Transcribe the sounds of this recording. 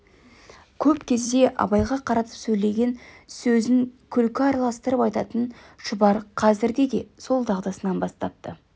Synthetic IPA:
kʲʰɵpkʲʰe̞zd̪e̞ʔɑ̰bɑjʁɑqʰɑɾɑt̪ə̥psɵjle̞ɡʲe̞nsɵzɪŋkʲʰʏlkʲɪɑɾɑlˠɑst̪əɾəpɑjt̪ɑt̪ən | ʃʊbɑɾqʰɑzɪɾd̪e̞d̪e̞so̞lˠd̪ɑʁd̪ɑsənɑnbɑst̪ɑp̚t̪ə

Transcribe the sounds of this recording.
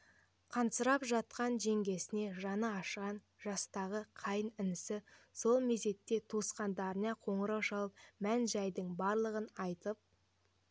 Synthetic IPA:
qʰɑnsəɾɑpʒɑt̪̚qɑnʒe̞ŋɡʲe̞sɪne̞ʒɑnəɑʃʁɑn | ʒɑst̪ɑʁəqʰɑjənɪnɪsɪso̞lˠmeze̞t̪ːe̞t̪ʰusqɑnd̪ɑɾənɑqʰo̞ɴəɾɑwʃɑlˠəp̚mænʒæjd̪əɴbɑɾlˠəʁənɑjt̪əp̚

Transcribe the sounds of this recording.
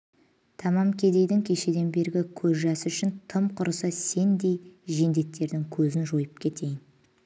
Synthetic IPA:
t̪ʰɑmɑmkʲʰe̞d̪e̞jd̪ɪŋkʲʰe̞ʃe̞d̪e̞nbe̞ɾɡʲɪkʲʰɵzʒɑsəʏʃɪnt̪ʰəmqʰʊɾəsəse̞nd̪e̞jʒe̞nd̪e̞t̪ʰːe̞ɾd̪ɪŋkʲʰɵzɪnʒo̞jəp̚kʲʰe̞t̪ʰe̞jɪn

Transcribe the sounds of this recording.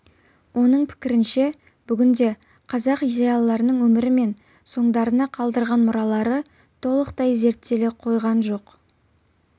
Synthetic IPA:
wʔo̞nəɴpʰɪ̥kʲɪɾɪnʃe̞ | b̥ʏɡʲɪnd̪e̞ | qʰɑzɑqid̪ejɑlˠːɑɾənəɴwɵmɪɾɪme̞n | so̞ɴd̪ɑɾənɑqʰɑlˠd̪əɾʁɑnmʊɾɑlˠɑɾə | t̪ʰo̞lˠəqt̪ɑjze̞ɾt̪ːe̞le̞qʰo̞jʁɑnʒo̞q

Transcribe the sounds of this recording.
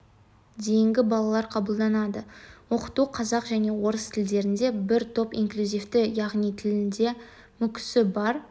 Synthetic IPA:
d̪e̞jɪŋɡʲɪbɑlˠɑlˠɑɾqʰɑbəlˠd̪ɑnɑd̪əwo̞qə̥t̪uqʰɑzɑqʒæne̞wo̞ɾəst̪ʰɪld̪e̞ɾɪnd̪e̞bɪɾt̪ʰo̞pḭŋklʲuzʲift̪ɪjɑʁnijt̪ʰɪlɪnd̪e̞ | mʏkʲɪ̥sɪbɑɾ

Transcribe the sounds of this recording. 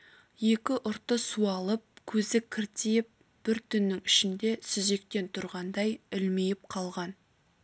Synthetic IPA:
je̞kʲɪʔʊɾt̪ːəsuɑlˠəp̚kʲʰɵzɪkʲʰɪɾt̪ejɪp̚ | b̥ɪɾt̪ʰʏnːɪŋɪʃɪnd̪e̞sʏze̞k̚t̪e̞nt̪ʰʊɾʁɑnd̪ɑjɪlmejɪp̚qʰɑlˠʁɑn

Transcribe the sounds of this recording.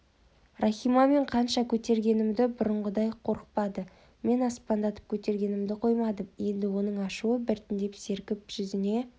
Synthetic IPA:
rʔɑχijmɑme̞ɴqʰɑnʃɑkʲʰɵt̪e̞ɾɡʲe̞nɪmd̪ɪbʊɾəɴʁəd̪ɑjqʰo̞ɾəq̚pɑd̪ə | me̞nɑspɑnd̪ɑt̪ə̥p̚kʲʰɵt̪e̞ɾɡʲe̞nɪmd̪ɪqʰo̞jmɑd̪əmje̞nd̪ɪwo̞nəɴɑʃuəbɪɾt̪ɪnd̪e̞pse̞ɾkʲɪp̚ʒ̥ʏzɪne̞

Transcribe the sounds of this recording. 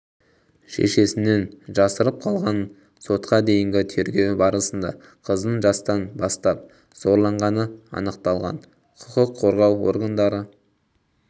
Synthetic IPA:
ʃḛʃe̞sɪne̞nʒɑsəɾəp̚qʰɑlˠʁɑn | so̞t̪qɑd̪e̞jɪŋɡʲɪt̪ʰe̞ɾɡʲe̞wbɑɾəsənd̪ɑ̰ | qʰəzd̪əɴʒɑst̪ɑnbɑst̪ɑp̚ | z̥o̞ɾlˠɑɴʁɑnəɑ̰nəqt̪ɑlˠʁɑ̰n | qʰʊ̥qəqʰːo̞ɾʁɑwo̞̰ɾɡand̪ɑɾə

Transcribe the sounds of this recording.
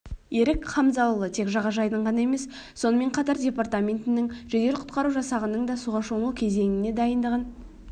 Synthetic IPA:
e̞ɾɪkqʰɑmzɑwˠlˠət̪ʰe̞kʒɑʁɑʒɑjd̪əɴʁɑnɑe̞me̞s | so̞nəme̞ɴqʰɑt̪ɑɾdʲe̞part̪amʲe̞nt̪ɪnɪŋʒɵd̪e̞lɪqʰʊ̥t̪̚qɑɾuʒɑsɑʁənəɴd̪ɑsuʁɑʃo̞nukʲʰe̞ze̞ŋɪne̞d̪ɑjənd̪əʁən

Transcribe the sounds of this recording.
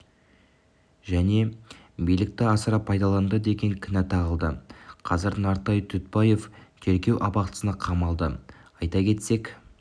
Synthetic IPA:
ʒæne̞ | bijlɪk̚t̪ɪɑsəɾɑpʰːɑjd̪ɑlˠɑnd̪əd̪e̞ɡʲe̞ŋkʲʰɪnæt̪ʰɑʁəlˠd̪əqʰɑzəɾnɑɾt̪ɑjt̪ʰʏt̪̚pɑje̞ft̪ʰe̞ɾɡʲe̞wʔɑpɑqt̪əsənɑqʰɑmɑlˠd̪əɑjt̪ɑkʲʰe̞t̪se̞k

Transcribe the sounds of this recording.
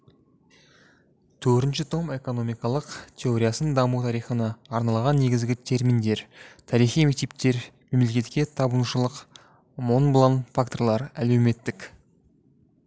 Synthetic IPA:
t̪ʰɵɾɾt̪ɪnʃɪt̪ʰo̞me̞ko̞no̞mijkɑlˠəqt̪ʲʰe̞o̞ɾʲijasənd̪ɑmut̪ʰɑɾijχənɑːɾnɑlˠʁɑnːe̞ɡʲɪzɡʲɪt̪ʰe̞ɾmind̪e̞ɾt̪ʰɑɾijχijme̞k̚t̪e̞p̚t̪e̞ɾme̞mlekʲe̞t̪kʲe̞t̪ʰɑbənuʃəlˠəq | mo̞nblˠanfakt̪o̞ɾlˠɑɾæle̞wme̞t̪ːɪk

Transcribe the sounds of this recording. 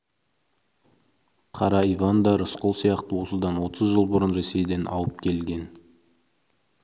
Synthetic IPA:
qʰɑɾɑivand̪ɑɾəsqolˠsijɑqt̪əwo̞səd̪ɑnwo̞t̪əzʒəlˠbʊɾənɾe̞se̞jd̪e̞nʔɑ̰wˠəp̚kʲʰe̞lɡʲe̞n

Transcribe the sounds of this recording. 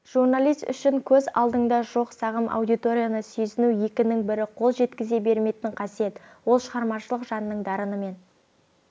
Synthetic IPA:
ʒ̥urnalˠijst̪ʏ̰ʃɪŋkʲʰɵzɑ̰lˠd̪əɴd̪ɑʒo̞qsɑʁəmʔa̰wd̪ijt̪o̞ɾʲijanəsɵjsɪnuje̞kʲɪnɪŋbɪɾɪqʰo̞lˠʒe̞t̪kʲɪze̞be̞ɾme̞jt̪ɪɴqʰɑsije̞t̪wo̞lˠʃəʁɑɾmɑʃəlˠəqʒɑnːəɴd̪ɑɾənəme̞n

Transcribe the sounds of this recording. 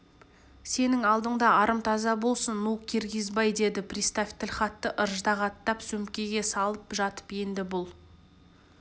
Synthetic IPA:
se̞nɪŋɑlˠd̪əɴd̪ɑɑɾəmt̪ʰɑzɑbo̞lˠsənːukʲʰeɾɡʲɪzbɑjd̪e̞d̪ɪprʲist̪afʲt̪ɪlʲχɑt̪ːəʔəɾʒd̪ɑʁɑt̪ːɑpsɵmkʲe̞ɡʲe̞sɑlˠəpʒɑt̪ə̥pje̞nd̪ɪbʊlˠ

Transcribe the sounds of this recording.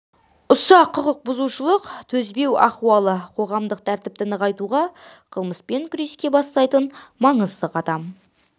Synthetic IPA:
ʊsɑqʰːʊqəq̚bʊzuʃəlˠəqt̪ʰɵzbe̞wɑ̰χuwɑlˠəqʰo̞ʁɑmd̪əqt̪ʰæɾt̪ɪp̚t̪ɪnəqɑjt̪uʁɑ | qʰəlˠməspe̞ŋkʲʰʏɾe̞skʲe̞bɑst̪ɑjt̪ənmɑɴəzd̪əqʰɑt̪ɑm

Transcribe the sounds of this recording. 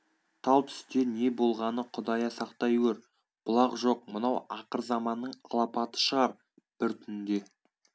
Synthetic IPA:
t̪ʰɑlˠt̪ʰʏ̥st̪e̞ɾne̞bo̞lˠʁɑnəqʰʊd̪ɑjɑsɑqt̪ɑjwʲeɾ | b̥ʊlˠɑqʒo̞q̚mənɑwɑqəɾzɑmɑnːəɴɑ̰lˠɑpɑt̪ə̥ʃəʁɑɾ | b̥ɪɾt̪ʰʏnd̪e̞

